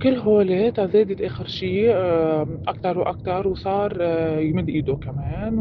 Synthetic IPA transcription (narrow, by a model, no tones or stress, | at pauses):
kɪlːɦoːleːt̪azeːd̪ɪt̪ʔeːxɪɾʃiː | ʔakt̪ɑɾˤwʔa̰k̚t̪ɑɾˤwsˤɑːɾˤjmɪd̪ːʔiːd̪okameːn